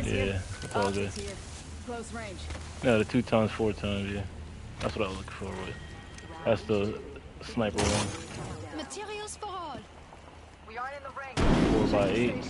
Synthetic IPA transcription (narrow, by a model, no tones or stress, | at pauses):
jæ̰ɨtsɔlˠɡʊd̥̚ | noʊðɨtʰʉtʰãɪ̃mz̥fɔɹtʰãɪ̃mvjæ | ðætswʌɾaɪwzlʊkɪ̃fə˞aɪt̚ðætsðəsnaɪpə˞ɹãnmətʰiɾiəlˠspəʁɔl | fɔbaɪeɪt̚